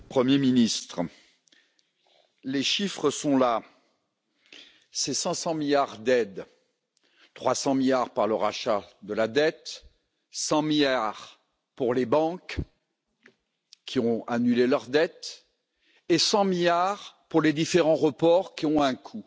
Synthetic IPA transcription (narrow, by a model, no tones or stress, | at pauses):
pχəmjeminist̪χ | leʃifχəsɔ̃la | sɛsɑ̃sɑ̃miljaʁd̪ɛd̪ | t̪χwasɑ̃miljaʁpaʁləʁaʃad̪əlad̪ɛt̪ | sɑ̃miljaʁ | puʁlebɑ̃k | kʲːiɔ̃anylelœʁd̪ɛt̪ | esɑ̃miljaʁpuʁled̪ifeʁɑ̃ʁəpɔʁkʲiɔ̃ɛ̃kʰu